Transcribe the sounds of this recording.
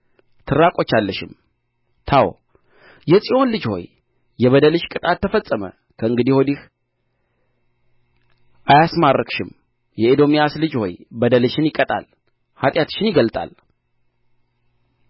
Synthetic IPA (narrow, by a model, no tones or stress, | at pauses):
t̪ʰɨɾakʼo̞t͡ʃːalːəʃɪm | t̪ʰaw̰ | jɛsʼiʔo̞nlɨd͡ʒho̞̰j | jɛβəd̪əlɨʃkʼɨt̪ʼat̪ːəfəsʼːəmə̰ | kʰəɨŋɡɨd̪iho̞d̪ih | ʔajasmarːəkʃɪm | jɛed̪o̞mijaslɨd͡ʒho̞jbəd̪əlɨʃɪnjɪkʼət̪ʼa̰l | hat̪ʼjat̪ʃɪnjɪɡəlt̪ʼa̰l